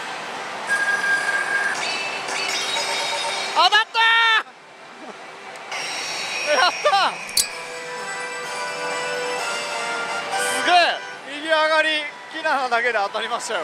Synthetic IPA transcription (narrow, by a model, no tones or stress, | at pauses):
amat̪ːa | eat̪ːa | sɨɡe | mʲiɡʲiaɡaɾʲi | kʲinaːnad̪ake̞d̪eat̪aɾʲimaɕt͡ɕao